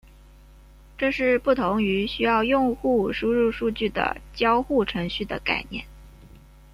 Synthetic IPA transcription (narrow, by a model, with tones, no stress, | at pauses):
ʈ͡ʂɤ˥˧ʂɻ̩˥˧pu˥˩t̪ʰʊ˧˥ŋy˧˥ɕy˥jɑ˥˧ʊjʊ˥˧ŋxu˥˩ʂu˥ɻu˥˧ʂu˥˧t͡ɕy˥˩d̪ə̰˩t͡ɕjɑ˥ʊxu˥˩ʈ͡ʂʰɤ˧˥ŋɕy˥˩d̪ə̰˩ka̰˥˩ɪnjɛ̰˥˩n